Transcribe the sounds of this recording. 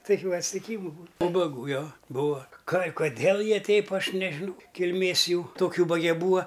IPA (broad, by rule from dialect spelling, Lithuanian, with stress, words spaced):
tɐˈkʲuː ɐtʲsʲtʲɪˈkʲiːmʊ buːn uːbɐˈɡuː ˈjoː ˈbuːɐ kɐɪ koːˈdʲeːlˠ ˈjiɛ ˈtʲɛɪp ˈɐʃ nʲɛʒʲɪˈnɐʊ kʲɪlʲˈmʲeːs ˈjuː toːkʲ ˈuːbɐɡʲɛ ˈbuːɐ